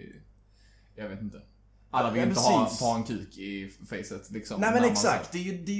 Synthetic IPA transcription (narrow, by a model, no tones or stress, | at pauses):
jɑveːt̪ɪnt̪ə | ʔalːavɪlɪnɾəiːst̪ʰɑːɛnkʰʉːkʰɪfɛɪsət̪lɪksɔmnɛmɛ̃nɛksakt̪d̪ɛjd̪ɛ